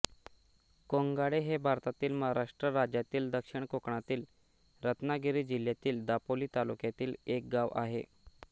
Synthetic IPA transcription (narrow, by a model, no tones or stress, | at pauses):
koŋɡaɽeɦebʱaɾt̪at̪iːlməɦaɾaʂʈɾəɾad͡ʑjat̪iːld̪əkʂiɳkokɳat̪iːl | ɾət̪naɡiɾiːd͡ʑil̤jat̪iːld̪apoliːt̪alukjat̪iːlek̚ɡaʋa̰ɦe